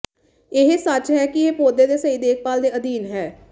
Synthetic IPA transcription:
ɪɦsət͡ʃɦɛːkieːpoːd̪eːd̪eːsəiːd̪eːk̚ʰpaːld̪eːəd̪iːnɦɛː

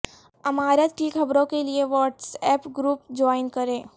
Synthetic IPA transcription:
ɐmaːɾeʈiːkxɐbɾõkelieʋɔːʈsɛːpɡɾuːp̚d͡ʒɔːɪnkɐɾẽː

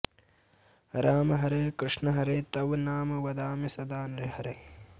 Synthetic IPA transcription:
ɾaːmɐɦɐɾɐjkɾɨʂnɐɦɐɾɐjt̪ɐʋnaːmɐʋɐd̪aːmisɐd̪aːnɾihɐɾɐj

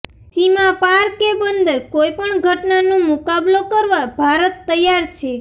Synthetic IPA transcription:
simãpaɾkebənd̪əɾkojpəɳɡʱəʈnanõmʊkablokəɾʋabʱaɾət̪ːəjaɾt͡ʃʰe

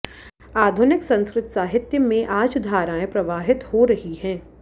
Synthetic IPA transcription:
aːd̪ʱʊnɪksɐ̃nskɾɪt̪saːɦɪt̪jəmẽʔaːd͡ʒd̪ʱaːɾaːẽpɾɐʋaːɦɪt̪hoɾɐɦiɦɛ̃ː

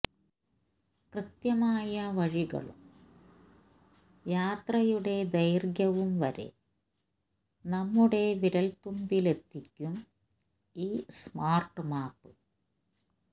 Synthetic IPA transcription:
krɨt̪jɐmaːjɐʋɐɻiɣɐ̰ɭṵm | jaːt̪rɐjuɽe̞d̪ɐjrɡjɐʋumʋɐɾḛ | nɐmːuɽe̞ʋiɾɐlt̪umbile̞t̪ːikʲːum | iːsmaːrʈɨmaːpːɨ

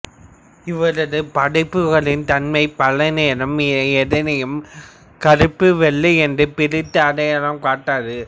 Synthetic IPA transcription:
ɪʋɐɾɐðɯpɐɽɐɪpːɯɣɐɭɪnt̪ɐnmɐɪpɐlɐneːɾɐmɛðɪnɐjɯm | kɐɾɯpːɯʋɛɭːiɛndrɯpɪɾɪt̪ːɐɐɽɐjɐlɐmkaːʈːaːɾɯ

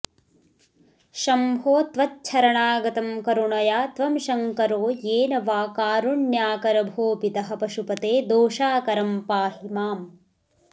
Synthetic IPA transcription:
ʃɐmbʱoːt̪ʋɐtt͡ʃʰɐɾɐɳaːɡɐt̪ɐmkɐɾuɳɐjaːt̪ʋɐmʃɐŋkɐɾoːjeːnɐʋaːkaːɾuɳjaːkɐɾɐbʱoːpit̪ɐɦɐpɐʃupɐt̪eːd̪oːʃaːkɐɾɐmpaːhimaːm

